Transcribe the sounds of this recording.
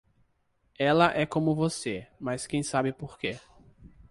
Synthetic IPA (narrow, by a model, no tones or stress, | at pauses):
ɛlɐʔɛkõmʊvosemɐskẽj̃sabɪpoɾke